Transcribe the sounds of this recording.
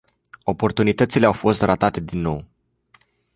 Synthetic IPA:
o̞po̞rt̪unit̪ət̪sileawfo̞st̪rʔat̪at̪e̞d̪inːo̞̰w

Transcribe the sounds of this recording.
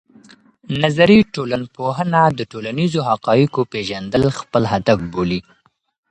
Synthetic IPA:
nazaɾiʈolanpoɦənad̪əʈolanizoɦaqɑjəkopeʒand̪əlxpəlɦad̪afboli

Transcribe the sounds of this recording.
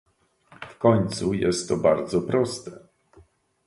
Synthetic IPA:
fkɔɲt̪sujɛst̪ːɔbaɾd̪zɔpɾɔst̪ɛ

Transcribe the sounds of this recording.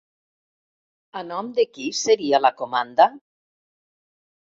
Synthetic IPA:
anɔmd̪ekiseɾialakomand̪a

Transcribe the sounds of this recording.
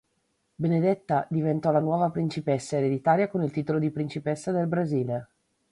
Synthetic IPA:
bened̪et̪ːad̪ivent̪ɔlanwɔːvapɾint͡ʃipɛsːaeɾed̪it̪aːɾjakonilt̪iːt̪olod̪ipɾint͡ʃipɛsːad̪elbɾaziːle

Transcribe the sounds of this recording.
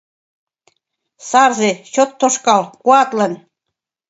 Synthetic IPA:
sɑrzet͡ɕot̪ːoʃkɑlkuɑt̪lɤ̆n

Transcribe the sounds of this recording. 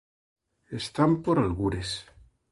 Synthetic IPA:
est̪ampoɾalɣuɾes

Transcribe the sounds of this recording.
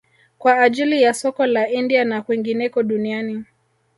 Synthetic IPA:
kwaːʄilijasɔkɔlaindianakwiŋɡinɛkɔɗuniani

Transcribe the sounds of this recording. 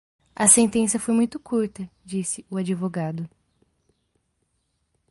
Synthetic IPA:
ɐsẽnt̪ẽsjɐfojmũj̃t̪ʊkuɾt̪ɐd͡ʒisɪʊad͡ʒivoɡad̪ʊ

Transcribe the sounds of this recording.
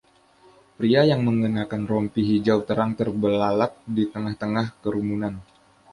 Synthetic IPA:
pɾiajaŋməŋɡənakanrɔmpiɦid͡ʒawt̪əɾaŋt̪ərbəlalat̪̚dit̪əŋaht̪əŋahkəɾumunan

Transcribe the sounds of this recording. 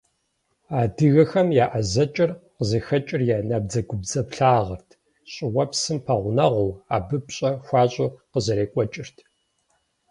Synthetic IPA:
aːdɨɣɐxɐmjaːʔɐzɐt͡ʃʼɪrqəzɐxɐt͡ʃʼɪrjaːnɐb̚d͡zɐɡʷʊbzɐpɬaːʁɐrtʰ | ɕʼɪwɐpsɨmpʰɐʁʷʊnɐʁʊwaːbɨpɕʼɐxʷɑːɕʼoqəzɐɾeːkʷʼɔt͡ʃʼɪrtʰ

